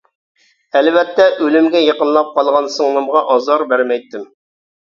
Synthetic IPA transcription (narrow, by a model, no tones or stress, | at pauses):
ælwɛt̪ːɛʔølɪmɡʲɛjɑqənlˠɑp̚qɑlˠʁɑnsəŋnɨmʁɑʔɑzɑɾbæɾmɛjt̪ːɪm